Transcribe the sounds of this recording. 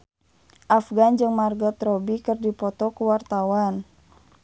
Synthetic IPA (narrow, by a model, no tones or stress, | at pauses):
ʔafɡand͡ʒɨŋmarɡɔt̪ɾɔbikɨrdipɔt̪ɔkuwart̪awan